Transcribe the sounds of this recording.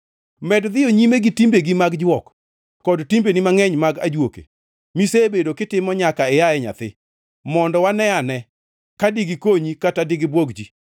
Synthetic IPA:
mɛdðɪjoɲimeɡitimbeɡimaɡd͡ʒwɔkː | ɔdtimbenimaŋɛɲmaɡad͡ʒwokḛ | misebedokɪtɪmɔɲakaɛjaɛɲa̰t̪ɪ | mɔndɔwanɛanɛ | kadiɡikoɲikatadɪɡɪbwoɡd͡ʒi

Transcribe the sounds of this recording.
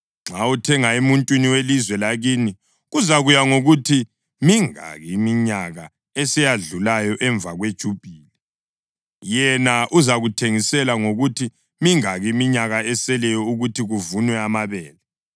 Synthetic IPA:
ŋ͡ǁʱautʰɛŋaemuntʼwiniwelizwɛlaɣiːni | ɣuzaɣujaŋoɣutʰi | miŋa̰ɣiːmiɲaɣa | ɛsɛjaɮulajɔʔɛɱvʱaɣwed̥ʒ̥ʱub̥ʱiːlɛ | jɛnaʔuzaɣutʰeŋisɛlaŋoɣutʰi | miŋaɣiːmiɲaɣaɛsɛlɛjɔuɣutʰiɣuvunwɛamaβɛːlɛ

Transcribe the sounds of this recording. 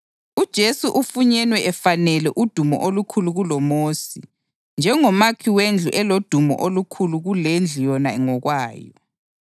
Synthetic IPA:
ud̥ʒ̥ʱesuʔufuɲɛnwɛʔɛfanɛlɛʔud̥ʱumɔ̰ʔolukʰuluɣulɔmoːsi | nd͡ʒʱɛŋɔmakʰiwend͡ɮʱuʔɛlod̥ʱumɔ̰ʔolukʰuluɣulend͡ɮʱijɔnaɛŋɔɣwaːjɔ̰

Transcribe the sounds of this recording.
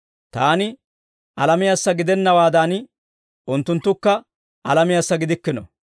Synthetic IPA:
t̪aːnɪ | ʔɐlɐmɪjɐsːɐɡɪd̪ɛnːɐwaːd̪aːn | ʔʊnt̪ːʊnt̪ːʊkːɐ | ʔɐlɐmɪjɐsːɐɡɪd̪ɪkːɪnɔ̰

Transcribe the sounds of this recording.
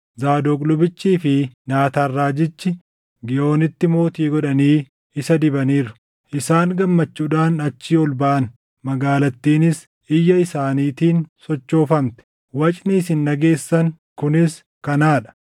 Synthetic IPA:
zaːd̪oːkʼlʊbɪt͡ʃːiːfɪnaːt̪aːrːaːd͡ʒɪt͡ʃːɪ | ɡɪjʔo̞ːnɪt̪ːɪmo̞ːt̪iːɡɔᶑɐniː | ɪsɐd̪ɪbɐniːɾʊ̥ | ʔɪsaːŋɡɐmːɐt͡ʃːuːᶑaːnɐt͡ʃːiːɔlbɐʔɐn | mɐɡaːlɐt̪ːiːnɪs | ɪjːɐɪsaːniːt̪iːnsɔt͡ʃːo̞ːfɐmt̪ɛ̥ | wɐt͡ʃʼniːsɪnːɐɡe̞ːsːɐŋ | kʊnɪs | kɐnaːᶑɐ̥

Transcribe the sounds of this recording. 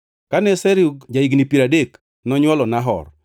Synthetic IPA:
kanɛsɛɾukd͡ʒaiɡnipiɾadek | nɔɲwɔlɔnaɦɔ̰r

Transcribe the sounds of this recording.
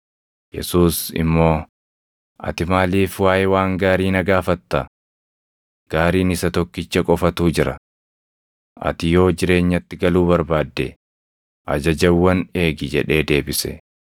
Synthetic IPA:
jɛ̰suːsɪ̰mːo̞ː | ʔɐ̰t̪ɪmaːliːfwaːjɛwaːŋɡaːɾiːnɐɡaːfɐt̪ːɐ | ɡ̥aːɾiːnɪsɐt̪ɔkːɪt͡ʃːɐkʼɔfɐt̪uːd͡ʒɪɾɐ | ʔɐ̰t̪ɪjo̞ːd͡ʒɪɾe̞ːɲːɐt̪ːɪɡɐluːbɐɾbaːd̪ːɛ̰ | ʔɐ̰d͡ʒɐd͡ʒɐwːɐne̞ːɡɪd͡ʒɛᶑe̞ːd̪e̞ːbɪsɛ̰

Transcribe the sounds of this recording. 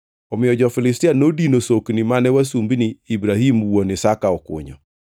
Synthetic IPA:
ɔmɪjɔd͡ʒɔfɪlɪstianodinosoknimanɛwasumbiniːbɾahimwonɪsakaɔkʊ̰ɲɔ̰

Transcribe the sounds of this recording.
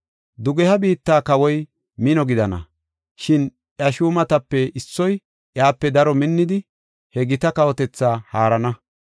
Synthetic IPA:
d̪ʊɡɛhɐbiːt̪ːaːkɐwɔj | mɪnɔɡɪd̪ɐnɐ̰ | ʃɪn | ʔjɐʃuːmɐt̪ɐpːɛʔɪsːɔj | ʔjaːpːɛd̪ɐɾɔmɪnːɪd̪ɪ | hɛɡɪt̪ɐkɐwɔt̪ɛt͡sːaːhaːɾɐnɐ

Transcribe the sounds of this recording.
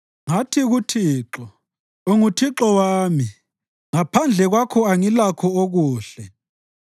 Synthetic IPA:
ŋatʰiɣutʰiːǁɔ | oŋutʰiǁɔwaːmi | ŋapʰand͡ɮʱɛɣwakʰɔaŋilakʰɔoɣuːɬɛ

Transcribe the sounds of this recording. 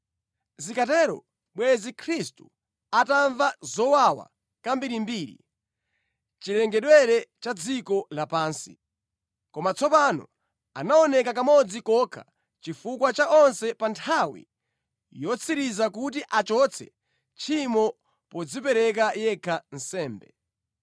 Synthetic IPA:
zikatɛɾɔ̰ | ɓwɛzikʰɾistu̥ | ataɱvazɔwawa̰ | kambiɾimbiːɾḭ | t͡ʃilɛŋɡɛɗwɛɾɛt͡ʃad͡zikɔlapaːnsḭ | kɔmat͡sɔpanɔ̰ | anaɔnɛkakamɔd͡zikɔkʰa | t͡ʃifukwat͡ʃaʔɔnsɛpantʰawḭ | jɔt͡sʰiɾizakutiʔat͡ʃɔt͡sʰɛ̰ | t͡ʃʰimɔ | pɔd͡zipɛɾɛk̬ajɛkʰan̩sɛːmbɛ̰

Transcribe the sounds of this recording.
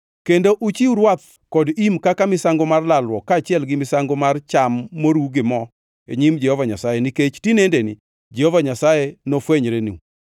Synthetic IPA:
kendoʔut͡ʃiuɾwat̪̚ | kɔdimkakamɪsaŋɡomarlalwɔkaːt͡ʃɪɛlɡɪmɪsaŋɡomart͡ʃamːoɾuɡɪmɔ | ḛɲimd͡ʒɛhɔvaɲasajeniket͡ʃtinendenɪ | d͡ʒɛhovaɲasajenofweɲɾenḭu

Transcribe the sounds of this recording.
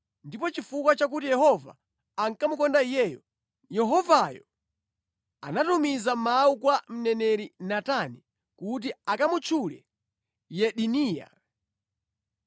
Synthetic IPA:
ndip̬ɔt͡ʃifukwat͡ʃak̬utijɛhɔva̰ː | ŋkamukɔndaijɛːjɔ | jɛɦɔvajɔ | anatumizamaukwam̩nɛnɛɾinatani | kut̬iakamut͡ʃʰulɛ̰ | jɛɗiniːja̰

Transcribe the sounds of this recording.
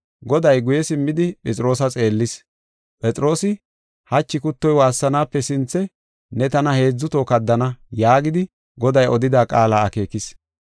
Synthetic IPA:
ɡɔd̪ɐjɡʊjɛsɪmːɪd̪ɪpʼɛt͡sʼɪɾo̞ːs̬ɐt͡sʼe̞ːlːɪs | pʼɛt͡sʼɪɾo̞ːsɪ | hɐt͡ʃːɪkʊt̪ːɔjwaːsːɐnaːpːɛsɪnt͡sːɛ | nɛt̪ɐnɐhe̞ːd͡zːʊt̪oːkɐd̪ːɐnɐjaːɡɪd̪ɪ | ɡɔd̪ɐjɔd̪ɪd̪aːkʼaːlaːɐke̞ːkɪs

